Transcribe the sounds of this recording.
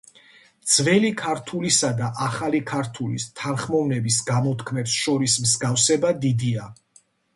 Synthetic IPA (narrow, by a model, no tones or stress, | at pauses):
d̪z̥vɛlikʰaɾt̪ʰulisad̪aʔaχalikʰaɾt̪ʰulḭst̪ʰanχmɔvnɛbisɡamɔt̪ʰkʰmɛpsʃɔɾismzɡafsɛbad̪id̪ia